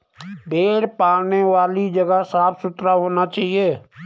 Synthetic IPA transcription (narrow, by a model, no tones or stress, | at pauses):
bʱeːɾpaːɾneʋaːlid͡ʒəɡəsaːpʰsʊt̪ɾaɦoːnat͡ʃaːɦieː